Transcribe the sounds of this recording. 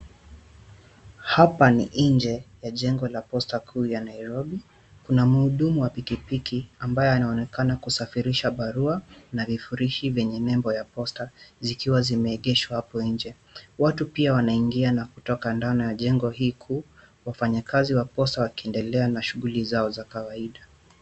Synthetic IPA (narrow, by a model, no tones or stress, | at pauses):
hapanḭʔ̩ɲd͡ʒɛjaʄɛŋɡɔlapɔstakʰuːjanaiɾɔɓi | kunamuhuɗumuwapikipikiambajɔanaɔnɛkanakusafiɾiʃaɓaɾuanavifuɾiʃivjɛɲɛnɛmbɔjapɔstazikiwazimɛːɠɛʃwahapɔiɲd͡ʒɛ | watupiawanaiŋɡianakutɔkandanɔjaʄɛŋɡɔhiːkʰuː | wafaɲakaziwapɔstawakiɛndɛlɛanaʃuɣulizaɔzakawaiɗa